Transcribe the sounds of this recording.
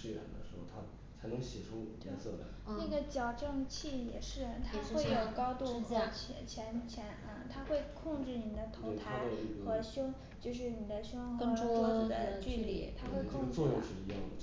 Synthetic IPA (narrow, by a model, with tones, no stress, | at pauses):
ʂe˥˩ʈ͡ʂʰa̰˨˩nd̪ə̰˧ʂɻ̩˧˥xo˥˩ʊt̪ʰa˥ | t͡sʰa˧˥ɪnɤ˧˥ŋɕjɛ˨˩ʈ͡ʂʰʊ˥ŋjɛ̰˧˥nsɤ̰˥˩lə̰˧˥na˥˩ɡə˩t͡ɕjɑ˨˩ʊʈ͡ʂɤ˥˩ŋt͡ɕʰi˥˩jɛ̰˨˩ʂɻ̩˥˩t̪ʰa˥xwe˥˩ɪjo˨˩ʊkɑ˥ʊt̪u˥˩xɤ˧˥t͡ɕʰɛ˧˥t͡ɕʰjɛ˧˥nt͡ɕʰjɛ˧˥n̩˥˩t̪ʰa˥xwe˥˧ɪkʰʊ˥˧ŋʈ͡ʂɻ̩˥˩ni˨˩d̪ə˦t̪ʰo˧˥˧t̪ʰa˧˥xɤ˧˥ɕʊ˥ŋ | t͡ɕjo˥˧ʊʂ̬ɻ̩˥˩ni˨˩d̪ə˦ɕʊ˥ŋxkɤ˥˧ŋʈ͡ʂu˥ɔ˧˥˩d̪ə˦t͡ɕy˥˧lḭ˥˩t̪ʰa˥xwe˥˧ɪ˥˧t͡swɔ˥˧jʊ˥˧ŋʂɻ̩˥˩i˧˥jɑ̰˥˩ŋd̪ə˩